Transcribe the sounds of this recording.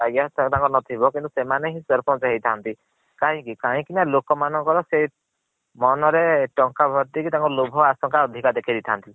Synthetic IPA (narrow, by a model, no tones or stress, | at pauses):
aɡat̪ãŋkɔnɔt̪ʰibɔkĩnt̪usemaneɦĩsɔɾpʰɔnseɦejt̪ʰant̪i | kaɦĩkikaɦĩkinalokɔmanɔŋkɔɾɔse | mɔnɔɾeʈɔŋkabʱɔɾt̪ikit̪ãŋkɔlobʱɔasɔŋkaɔd̪ʱikad̪ekʰid̪it̪ʰant̪i